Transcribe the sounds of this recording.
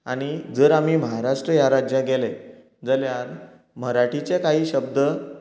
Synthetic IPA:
aɽ̃id͡zəːɾam̤iːməɦaɾaʂʈɾəjaɾad͡ʑjaɡele | d͡zəljaɾ | m̤əɾaʈʰit͡ɕekaɦiːɕəb̚d̪ə

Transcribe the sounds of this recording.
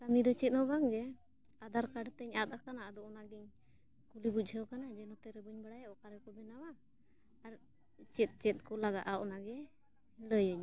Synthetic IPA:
t̪amid̪ɔt͡ʃɛt̪̚nɔbaŋɡɛ | ad̪aɾkaɖt̪ɛɲat̪̚akanaəd̪ɔɔnaɡɛɲ | kulibuc̚ˀd͡ʒʱəwkanad͡ʒɛnɔt̪ɛɾɛbəɲbaɽajaʔɔkaɾɛkɔb̪ɛnawaː | ɾ | t͡ʃɛt̪̚t͡ʃɛt̪̚kɔlaɡaʔaʔɔnaɡɛ | ləjəɲ

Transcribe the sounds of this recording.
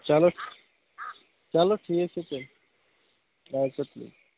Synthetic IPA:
t͡ɕaloʈ | t͡ɕaloʈʰieʃet͡ɕʰen | asaplḭ

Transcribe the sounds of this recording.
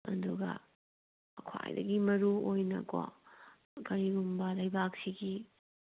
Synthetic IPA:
ɐ̰duɡɐ̰ | ɐkʰwa̰jdɐɡimɐɾuojnɐ̰ko̰ | kɐɾiɡumbɐlɐjbak̚siɡi

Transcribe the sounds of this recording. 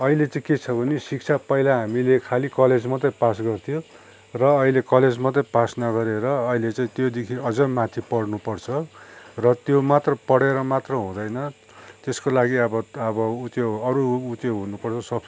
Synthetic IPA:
ʌilet͡saĩket͡sʰʌbʱʌnesik̚t͡sʰapʌilaɦamilekʰalikʌled͡zmʌt̪ʌpasɡʌrt̪ʰijo | rʌːɦilekʌled͡zmʌt̪ʌpasnʌɡʌɾeɾʌːilet͡saĩt̪jod̪ekʰiʌd͡zʌmat̪ʰipʌɽnupʌrt͡sʰʌrʌt̪jomat̪rʌpʌɽeɾʌmat̪rʌɦũd̪ʌjnʌ | t̪eskolaɡiʌbʌʌbʌut̪joʌɾuːt̪joɦunupʌrt͡sʰʌsʌb

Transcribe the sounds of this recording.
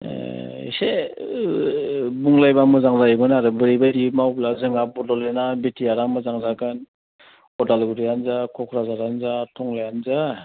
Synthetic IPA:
ise | buŋlajbamɯzaŋzajɯbɯnaɾɯbɯɾibajdimawblazɯŋabɔdɔlenabitʰijaɾaŋmɯzaŋzaɡɯn | ɔdalɡuɾijanzakʰɔkʰɾazaɾanzatʰɔŋlajanza

